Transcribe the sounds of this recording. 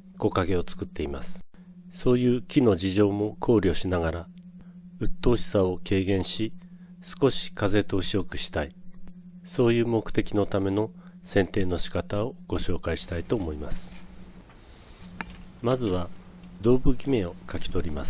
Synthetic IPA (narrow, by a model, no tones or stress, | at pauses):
ko̞kaɡe̞o̞t͡sɨ̥kɯ̟t̪ːe̞imasɨ̥ | so̞ːjɯ̟ːkʲino̞d͡ʑiʑo̞ːmo̞kʰo̞ːɾʲio̞ɕinaɡaɾa | ɯ̟t̪ːo̞ːɕi̥sao̞ke̞ːɡẽ̞ɰ̃ɕi | sɨ̥ko̞ɕi̥kaze̞t̪o̞ːɕio̞kɯ̟ɕi̥t̪ai | so̞ːjɯ̟ːmo̞kɯ̟̥t̪e̞kʲino̞t̪ame̞no̞ | sẽ̞nt̪e̞ːno̞ɕi̥kat̪ao̞ɡ̥o̞ɕo̞ːkaiɕi̥t̪ait̪o̞ːmo̞imasɨ̥ | mazɨβa | d̪o̞ːbɯ̟ɡʲime̞o̞kakʲi̥t̪o̞ɾʲimas